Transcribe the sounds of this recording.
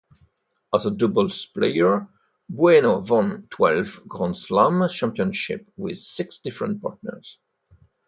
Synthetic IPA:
azədʊbəlspleɪəɹ | buɛnovɔ̃ntʰwɛlvɡʁɔ̃nslamt͡ʃæ̃mpiə̃nʃɪ̰pwɪ̰ð̥sɪksd̥ɪfɹə̃nt̚pɑ̰ɹtnə̰˞z̥

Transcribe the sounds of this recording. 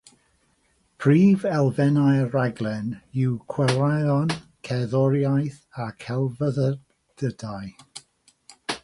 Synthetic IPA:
pʰriːvɛlˠvɛnajraɡlˠɛnɪwkʰwɛlaɔnkʰɛðɔɾjajθakʰɛlˠvəðə | d̥ədaj

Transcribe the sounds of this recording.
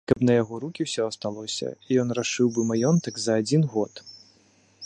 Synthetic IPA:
kɐpnɐjaɣɔɾukʲiwsʲɔɐst̪alˠɔsʲɐ̰ijɔnraʂɨwbɨmajɔnt̪ɐkzɐad͡zʲinɣɔt̪

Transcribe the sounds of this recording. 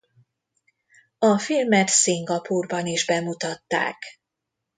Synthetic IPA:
ɒfilmɛt̪siŋɡɒpuːrbɒniʒbɛmut̪ɒt̪ːa̰ːk

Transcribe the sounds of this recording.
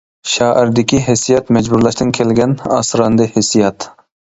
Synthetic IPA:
ʃɑːʔɪɾd̪ɪkʲʰiɦesijɑt̪mɛd͡ʒbuɾlˠɑʃt̪ɪnkʲʰelɡʲɛnɑ̰sɾɑnd̪ɨhesijɑt̪

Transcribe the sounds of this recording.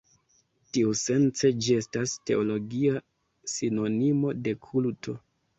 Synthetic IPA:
tiuse̞nt͡se̞d͡ʒie̞staste̞o̞lo̞ɡia | sino̞nimo̞de̞kʰultʰo̞

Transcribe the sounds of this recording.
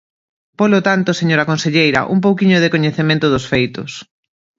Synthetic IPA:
polot̪ant̪ʊseɲoɾɐkonseʎejɾɐ̰ʔṵmp̬owkiɲʊðekoɲeθemẽnt̪ʊðʊsfejt̪ʊs

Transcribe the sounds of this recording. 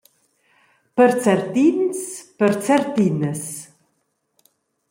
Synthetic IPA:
pəɾt͡sɛɾt̪inspəɾt͡sɛɾt̪inəs

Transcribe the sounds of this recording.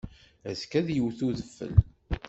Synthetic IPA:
æskæðjəwθuðəfːə̰l

